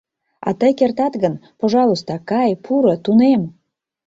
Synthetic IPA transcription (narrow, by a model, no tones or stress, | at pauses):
ɑ̰t̪əjkert̪ɑt̪ɡənpoʒɑlˠust̪ɑkɑjpʰuɾə̆t̪unem